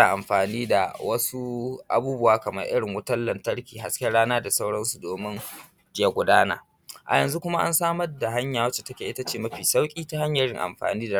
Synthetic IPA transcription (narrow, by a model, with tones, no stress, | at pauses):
aː˨ʔa˨mɸaː˨niː˦da̰˨wɐ˦su˦ʔa̰˨buː˦bʊ˦waː˦kɐ˨mɐ̰˦rʔɪ˦ɽɪ˨ŋwʊ˦tɐ˦lːɐ˨ntɐ˦ɽkʲiː˨ɦa˨skʲɛ˦ɽaː˦naː˦da˨sa˦wɽɐ˦nsu˨doː˨mɪ˦n | d͡ʒɪ˦je˦ɡʷʊ˨daː˦na̰ː˨ | ʔa̰˨jɐ˨nzu˦kʷʊ˦ma˦ʔa̰˦nsaː˦mɐ˦rda˨ɦa˦ɲjaː˨wɐ˦t͡ʃe̥˨tɐ˦kʲeː˨ʔɪ˦ta˦t͡ʃeː˦˨mɐ˦ɸiː˨sa˦wkʲʼiː˦ta˦ha˦ɲjɐ˨ɾɪ̰˦ŋʔa̰˨mɸa̰ː˨niː˦da˨